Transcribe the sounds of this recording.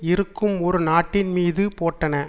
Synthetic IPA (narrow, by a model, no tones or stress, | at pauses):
ɪɾɯkːɯmɔɾɯnaːʈːɪnmiːðɯpoːʈːɐnɐ